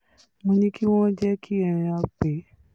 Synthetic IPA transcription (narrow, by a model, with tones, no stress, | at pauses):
mõ˧nĩ˧ki˦w̃ɔ̃˦d͡ʒɛ˦kʰi˦ɛ˧˨ɾ̃ĩ˧a˧k͡pe˨˦